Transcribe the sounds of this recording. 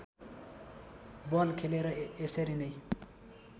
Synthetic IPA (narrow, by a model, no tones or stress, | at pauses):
bʌlkʰeleɾʌeseɾinʌj